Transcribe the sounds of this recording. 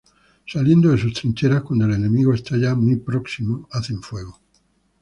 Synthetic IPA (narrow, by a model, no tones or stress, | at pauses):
salje̞nd̪oðes̬ust̪ɾint͡ʃeɾahkwand̪oelenemiɣoest̪aʝamujpɾoksimoaθeɱfweɣ̞o